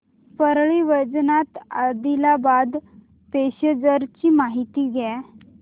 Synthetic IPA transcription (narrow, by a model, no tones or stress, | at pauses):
pəɾɭiʋəd͡znat̪ad̪ilabad̪ | peɕəd͡zəɾt͡ɕiːmaɦit̪iːɡʱjɛ